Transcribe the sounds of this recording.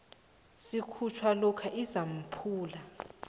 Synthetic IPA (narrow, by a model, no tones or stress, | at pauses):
sikʰut͡ʃʰwalɔkʰaʔizam̩pʰuːla